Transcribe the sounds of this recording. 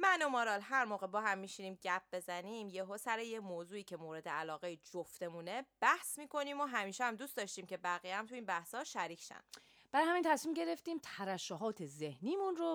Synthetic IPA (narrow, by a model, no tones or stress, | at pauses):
mænomoɾɒlɦæɾmoːɣe̞bɒːɦæmːiʃiniːmɟæp̚b̥e̞zæniːmjeɦoːsæɾejemoːzuːiːcʰe̞moːɾe̞d̪eælɒːɣeid͡ʒoft̪e̞muːne̞b̥æhsmiːkʰo̞niːmoɦæmiːʃeæmd̪uːstd̪ɒʃt̪iːmcʰe̞bæɣijæmt̪ʰuiːnbæhshɒːʃæɾiːcʰʃæ̰n | b̥æɾjhæmint̪ʰæsmiːmɟe̞ɾeft̪iːmt̪ʰæɾæʃoɦɒːt̪ʰe̞zehniːmunɾo